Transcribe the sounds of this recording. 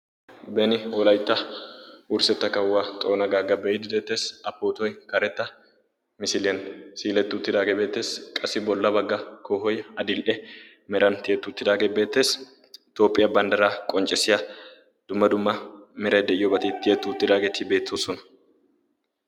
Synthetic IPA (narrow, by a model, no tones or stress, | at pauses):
bɛnɪwɔlɐjt̪ːɐ | ʊɾsɛt̪ːɐkɐwːaːt̪ʼo̞ːnɐɡaːɡɐbɛjd̪ɪd̪e̞ːt̪ːe̞ːsɐpːoːt̪ɔjkɐɾɛt̪ːɐ | mɪsɪlɪjɐnsiːlɛt̪ːɪʊt̪ːɪd̪aːɡebe̞ːt̪ːe̞ːskʼɐsɪbɔlːɐbɐɡːɐkʰoːɦɔjɐd̪ɪlʔɛ | mɛɾɐnt̪ɪɛt̪ːʊʊt̪ːɪd̪aːɡebe̞ːt̪ːe̞ːs | t̪o̞ːpʼːɪjɐbɐnd̪ɐɾaːkʼɔnt͡ʃʼɛsɪjɐ | d̪̥ʊmːɐd̪ʊmːɐmɛɾɐjd̪ɛʔɪjɔbɐt̪ɪt̪ːɪjɛt̪ːʊʊt̪ːɪd̪aːɡet̪ɪbe̞ːt̪ːoːsɔnɐ̥